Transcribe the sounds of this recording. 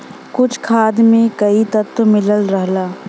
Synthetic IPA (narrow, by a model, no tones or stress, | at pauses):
kʊt͡ʃʰkʰaːd̪mẽkɐit̪ɐt̪ːmɪləlɾəɦlaː